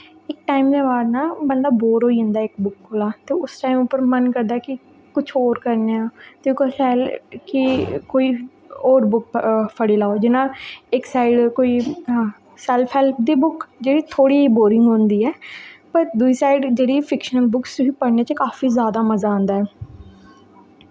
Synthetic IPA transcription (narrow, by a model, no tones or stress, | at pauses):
ɪk̚ʈaːimd̪eːbaːɾnãːbənd̪aːboːɾɦoːiɪ̃nd̪aːɪkbʊkkʰolaːt̪eːʊsʈaːimʊpːəɾmənkəɾd̪aːɛkɪ | kʊt͡ʃʰoːɾkəɾneːãːt̪eːkosɛːlkɪkoːiː | oːɾbʊk̚pʰəɽeːlaːod͡ʒɪnãːɪksaːɪɖkoːiː | sɛlpʰɛːlp̚ʰd̪iːbʊkd͡ʒeːɽiːt̪ʰoːɽiːɦiːboːɾɪ̃ŋɡɦõːnd̪iːɛːpəɾd̪ʊiːsaːɪɖd͡ʒeːɽiːpʰɪkʃənbʊksiːpəɽneːt͡ʃəkaːfiːzjaːd̪aːməzaːõːnd̪aːɛː